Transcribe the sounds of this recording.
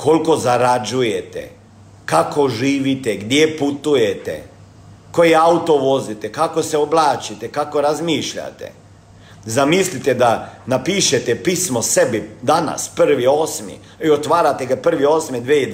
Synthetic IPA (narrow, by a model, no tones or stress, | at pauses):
ko̞lko̞zaɾad͡ʒujet̪ḛ | kako̞ʒiːʋit̪eɡd̪jeput̪uje̞t̪ḛ | kojeaut̪o̞ʋo̞zit̪ekako̞seoblˠaːt͡ʃit̪ekako̞ɾazmiːʃʎa̰t̪ḛ | zamislit̪ed̪anapiːʃet̪epismose̞bid̪ana̰spr̩ʋio̞ːsmḭ | iot̪ʋaːɾat̪eɡapr̩ʋioːsmid̪ʋei